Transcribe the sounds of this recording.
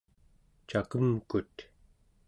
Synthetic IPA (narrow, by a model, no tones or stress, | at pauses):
t͡ʃakəmkut̪